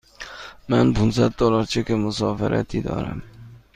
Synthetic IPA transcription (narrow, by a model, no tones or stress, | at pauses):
manpʰʊnsat̪̚d̪ɒlɒɾt͡ʃʰakʲamʊsɒfaɾʔa̰t̪ʰɪd̪ɒ̰ɾa̰m